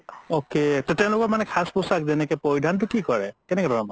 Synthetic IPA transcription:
oketɔtɛ̃ʊ̃lʊkɔtmanɛkʰasposak̚zɛnɛkɛpɔjdʱant̬ʊkikɔɹɛkɛnɛkɛdʱɔɔmɔ

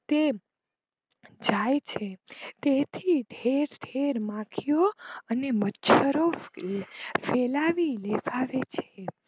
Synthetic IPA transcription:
t̪e | d͡ʒajt͡ʃʰet̪et̪ʰiɖʱeɾd̪ʰʱeɾmãkʰijoənemətːt͡ʃʰəɾo | felaʋileʋaʋet͡ʃʰe

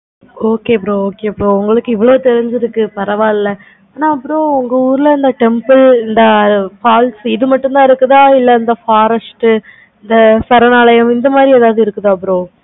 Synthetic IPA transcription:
oːkeːɐpːɯɾõoːkeːɐpːɾõːʊŋɡɐɭɯkːɯɪʋːɐɭoːt̪ɛɾɪɲd͡ʒɪɾɯkːɯpɐɾɐʋaːlɪlːɐ | aːnaːɐpːɯɾõːʊŋɡɐuːɾɪlɐɐnd̪ɐʈɛmpɯlɪnd̪ɐfaːlsɪðɯmɐʈːʊnd̪ãːɪɾɯkːɯðãːɪlːɐɐnd̪ɐfaːɾɐsʈ | ɪnd̪ɐsɐɾɐnaːlɐjɐmɪnd̪ɐmaːd̪ɾieːðaːʋðɯɪɾɯkːɯðaɐpːɐɾõː

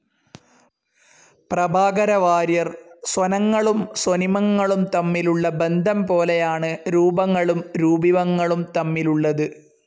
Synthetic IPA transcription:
prɐbʱaːɡɐɾɐʋaːɾjɐrswɐnɐŋːɐɭumswonimɐŋːɐɭumt̪ɐmːiluɭːɐbe̞nd̪ʱɐmpo̞ːlejaːɳɨɾuːbɐŋːɐɭumɾuːbiʋɐŋːɐɭumt̪ɐmːiluɭːɐðɨ

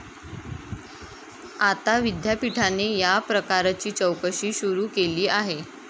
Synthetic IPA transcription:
at̪aʋid̪ʱjapiʈʰanejapɾəkaɾat͡ɕiːt͡ɕəwkəɕiːɕuɾuːkeliːaɦe

